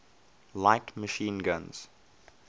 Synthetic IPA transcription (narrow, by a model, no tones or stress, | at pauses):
laɪtməʃĩːnɡãnz̥